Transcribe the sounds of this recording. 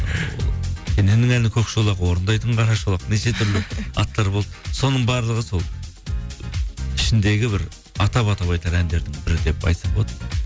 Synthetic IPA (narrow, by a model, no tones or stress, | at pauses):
kʲʰenenɪŋælɪnɪkʲʰɵkʃolˠɑʁwo̞ɾənd̪ɑjt̪əɴqɑɾɑʃolˠɑqneʃe̞t̪ʰʏɾlɪɑt̪ːɑɾbo̞lˠd̪əso̞nəɴbɑɾlˠəʁəso̞lˠ | ɪʃɪnd̪e̞ɡʲɪbɪɾ | ɑt̪ɑpɑt̪ɑβɑjt̪ɑɾænd̪e̞ɾd̪ɪŋbɪɾɪd̪e̞pɑ̰jt̪sɑbot̪ə